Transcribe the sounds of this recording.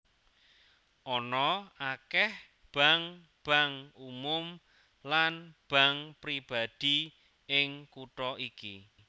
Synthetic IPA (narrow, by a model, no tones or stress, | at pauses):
ʔɔnɔakɛh | b̥a̤ŋ | b̥a̤ŋumʊm | lanb̥a̤ŋpɾib̥a̤d̪̥i | ɪŋkuʈɔʔiki